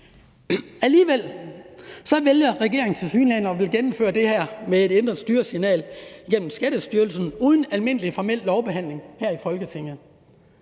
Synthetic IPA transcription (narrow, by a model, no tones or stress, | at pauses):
æliːʋel̰ | sɒ̽ʋeljɐʁɛɡ̥e̝̰ɐeŋ̩t͡sʰe̝lsyːnlæn̰ɐɒʋe̝lɡ̥enm̩føːɐd̥e̝hæɐ̰mee̝d̥end̥ʁɐsd̥yːɐsinɛ̰ːliɡ̥en̰m̩sɡ̥æɾ̥əsd̥yːɐlsn̩uːð̞ˠn̩ælme̝n̰əlifɒmel̰lɒʊb̥e̝ɦæn̰le̝ŋhæɐ̰ifɒ̽lɡ̥ət͡sʰe̝ŋ̰ð̩ˠ